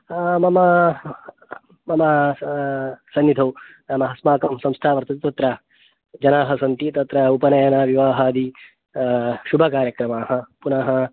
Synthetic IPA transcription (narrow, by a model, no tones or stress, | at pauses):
mɐmɐ | mɐmɐ | sɐnːid̪ʱɐwnɐmɐɦɐsmaːkɐmsɐ̃mst̪ʰaːʋɐɾt̪ɐt̪it̪ɐt̪ɾɐ | d͡ʒɐnaːɦɐsɐnt̪it̪ɐt̪ɾɐupɐnɐjɐnaːʋiʋaːɦaːd̪i | ʃubʱɐkaːɾjɐkɾɐmaːɦɐ̆punaːɦɐ